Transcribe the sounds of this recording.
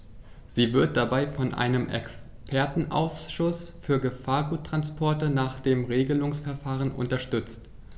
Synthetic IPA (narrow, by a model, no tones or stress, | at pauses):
z̥iːvɪɐt̚d̥abaɪfɔnʔa̰ɪnəmʔɛ̰ks | pʰɛɐtn̩ʔa̰ʊsʃʊsfyːɐɡəfaːɐɡuːtʁ̥anspʰɔɐtənaːχd̥eːmʁeːɡəlʊŋsfɛɐfaːʁ̞ənʔʊ̰ntɐʃtʏt͡st